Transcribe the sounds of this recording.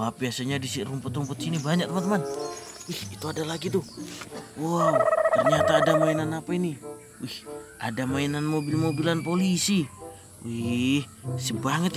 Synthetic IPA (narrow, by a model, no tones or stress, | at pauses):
apiasaɲadisirumpʊt̪ɾumpʊt̪̚sinibaɲak̚t̪əmant̪əmanwihit̪uadalaɡit̪u | wat̪ərɲat̪aːdamainanapaini | wihʔa̰damainanmobilmobilanpolisi | wihsəbaŋət̪